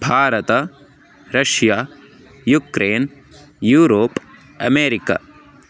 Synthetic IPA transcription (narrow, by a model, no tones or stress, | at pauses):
bʱaːɾɐt̪ɐ | ɾɐʃjaː | jukɾeːn | juːɾoːp | ɐ̰meːɾika̰